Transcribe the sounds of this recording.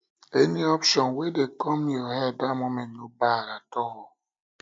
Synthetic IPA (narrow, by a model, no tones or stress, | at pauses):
eniɔpʃɔnwedekɔmjɔhɛdamomɛ̃ntnobaɾatɔɦɔ